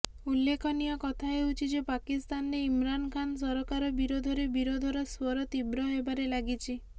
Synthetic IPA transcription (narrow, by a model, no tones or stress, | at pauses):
ulːekʰɔnijɔkɔt̪ʰaɦeut͡ʃʰid͡ʒepakist̪anɾeimɾankʰans̬ɔɾɔkaɾɔbiɾod̪ʱɔɾebiɾod̪ʱɔɾɔswɔɾɔt̪ibɾɔɦebaɾelaɡit͡ʃʰi